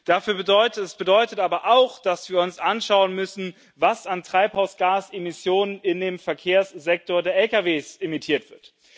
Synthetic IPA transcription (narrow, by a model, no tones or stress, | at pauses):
d̥afyːɐbədɔʏtətɛsb̥ədɔʏtətʔaːbɐʔaʊxd̥asv̥iːɐʊnsʔanʃaʊənmʏsn̩ | vasantʁ̥aɪphaʊsɡ̥aːsemɪsjoːnənɪndeːmfɛɐkʰeːɐsz̥ɛk̚toːɐdeːɐʔɛlkaveːsʔɪmitʰiːɐtv̥ɪɐt